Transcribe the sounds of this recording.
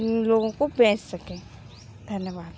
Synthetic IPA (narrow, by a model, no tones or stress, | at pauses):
loːɡõkobɛ̃ːt͡ʃsɐkẽ | d̪ʱɐnjəʋaːd̪